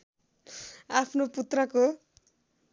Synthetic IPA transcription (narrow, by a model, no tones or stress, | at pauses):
apʰnoput̪rʌko